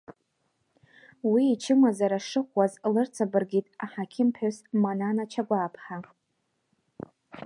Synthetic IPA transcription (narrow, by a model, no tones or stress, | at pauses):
wiːt͡ʃʰɪmazaɾaʂɨχʷwazlɨrt͡sʰabɨrɡʲitʼaħakʲʰɪmpʰosmananat͡ʃʰaɡʷaːpʰħa